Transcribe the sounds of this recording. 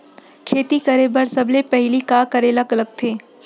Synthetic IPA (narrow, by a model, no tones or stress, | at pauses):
kʰeːt̪ikɐɾebɐɾsɐblepɛɦlikaːkɐɾelɐɡlɐɡ̚t̪ʰeː